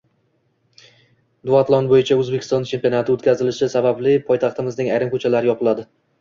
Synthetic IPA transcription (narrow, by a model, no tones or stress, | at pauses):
d̪ʊat̪lˠɒnbojɪt͡ʃʰaɵzbekʰʲɪ̥st̪ɒnt͡ʃʰe̞mpʲionat̪ʰɪot̪kʲʰazɪlɪʃɪsabablɪpʰɒjt̪ʰɑχt̪ɪmɪznɪŋajɾɪmkʰɵt͡ʃʰalaɾɪjɒpɨlad̪ɪ